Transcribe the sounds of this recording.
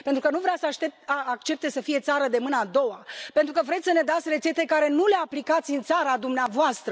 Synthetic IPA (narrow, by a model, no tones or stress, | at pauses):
pent̪ɾukənuvɾeasəaʃt̪et̪aakt͡ʃe̞p̚t̪esəfije̞t̪saɾəd̪e̞mɨnəad̪o̞wape̞nt̪ɾukəvɾet̪ʲsəne̞d̪at̪sʲre̞t͡ʃe̞t̪e̞kaɾe̞nule̞aplikat̪sʲɨnt̪saɾad̪umneavoast̪ɾə